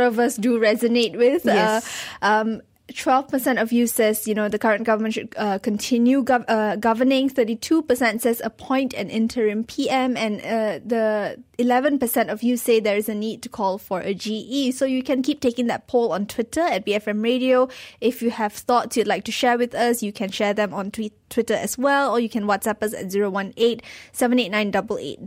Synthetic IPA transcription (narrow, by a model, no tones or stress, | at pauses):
ɾɔvəsduɹɛzənet̚wɪθɛʔʌ̃m | tʰwɛlv̥pəsɛ̃ntɔvjusɛsjunod̪əkaɹə̃nɡ̥avəmə̃nʃʊdʌkə̃ntʰɪ̃njuʌɡavənɪ̃ŋθəɾitʰupəsɛ̃ntsɛsəpʰɔ̃ɪ̃ntɛ̰̃nɪ̃ntʰəɹɪ̃mpʰiɛ̃mɛ̃nʌd̪əilɛvə̃npəsɛ̃ntɔfjused̪ɛɹɪsənid̚tu̥kʰɔlˠfɔɹʔəd͡ʒiʔisojukɛ̃nkip̚tekɪ̃ŋdɛ̰t̚pʰolɔ̃ntʰw̥ɪtʰəɛt̚biɛfɛ̃mɹedioɪfjuhɛv̥θɔtsjudlaɪk̚tuʃɛwɪðəsjukʰɛ̃nʃɛðɛ̃mɔ̃ntitʰwɪtəɛswɛlɔjukʰɛ̃nwɔtsɛpəsɛ̰t̚ziɹowãnet̚sɛvə̃net̚nãɪndʌbəlḛt̚